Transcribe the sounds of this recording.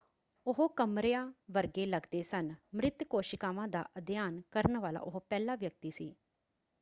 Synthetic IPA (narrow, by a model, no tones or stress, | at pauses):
ʊɦokəmɾɪjaːʋəɾɡeːləɡd̪eːsənmɾɪt̪koːʃɪkaːʋãːd̪a̰ːʔəd̪ɪjaːnkəɾənʋaːla̰ːʔʊɦopɛːlaːʋjək̚t̪iːsiː